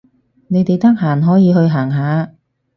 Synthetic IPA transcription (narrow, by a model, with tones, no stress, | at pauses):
ne˨˧jt̪e˨jt̪ɐ˥k̚ɦaː˨˩nɦɔː˨˥jiː˨˧hɵ˧ɥɦaː˨˩ŋɦaː˨˥